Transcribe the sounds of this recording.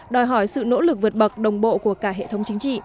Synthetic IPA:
ɗɔ˨˩jɦɔ˧˩jsɨ̰˧˨no̰˧˥lɨ˨˩k̚vɨ˨˩ət̚ɓə˨˩k̚ɗə˨˩wŋ͡mɓo̰˧˨ku˧˩əkaː˧˩ɦḛ˧˨t̪ʰə˨˦wŋ͡mt͡ɕï˨˦ŋ̟t͡ɕḭ˧˨

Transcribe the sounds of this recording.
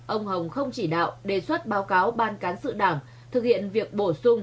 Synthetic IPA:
ʔə˧wŋ͡mhə˨˩wŋ͡mxə˧wŋ͡mt͡ɕi˧˩ɗa̰ː˧˨wɗe˧˩swə˦˥t̚ɓaː˨˦wkaː˨˦wɓaː˧nkaː˨˦nsɨ̰˧˨ɗaː˧˩m | t̪ʰɨ˨˩k̚hḭ˧˨ənvi˨˩ək̚ɓo˧˩sʊ˧ŋ͡m

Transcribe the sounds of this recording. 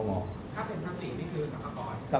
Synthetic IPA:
mɔː˨˧˩ | kʰaː˥˩t̪ʰe˨˦ntʰaː˧ŋsi˨˩niː˥˩kʰɯː˧sa˨˩mʰa˧kɔː˧nsa˧

